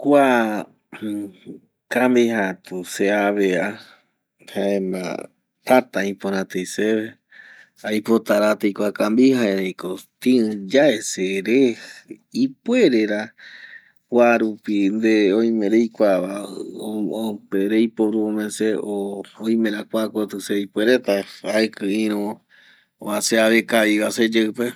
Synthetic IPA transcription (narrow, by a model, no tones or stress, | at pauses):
kʷa | kambiɦat̪useaβea | haẽma̰ | t̪at̪aĩpõɾãt̪ejseβe | ajpot̪aɾat̪ejkʷakambihaeɾẽjkot̪iɨ̃d͡ʒaeseɾe | ipweɾeɾa | kʷwaɾupind̪eoj̃mẽɾejkʷaβa | opeɾejpoɾuomẽseoːj̃mẽɾakʷakot̪ɨseipweɾet̪aaekɨ̃ĩɾ̃õ | oaseaβekaβiβased͡ʒewpe